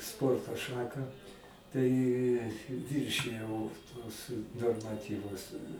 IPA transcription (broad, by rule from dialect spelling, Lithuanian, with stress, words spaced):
ˈspoːrtoː ˈʃɑːkɑː tɐɪ ˈʋʲɪrʲʃʲɪjɛʊ tuɔs noːrmɐˈtʲiːʋʊs